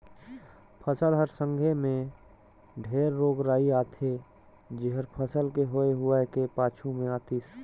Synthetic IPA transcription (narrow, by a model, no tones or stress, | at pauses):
pʰəsəlɦəɾsə̃ŋɡʱemẽ | ɖʱeːɾːoːɡɾaːiaːt̪ʰe | d͡ʒɪɦəɾpʰəsəlkeɦoːeɦʊakepaːt͡ʃʰumẽaːt̪iːs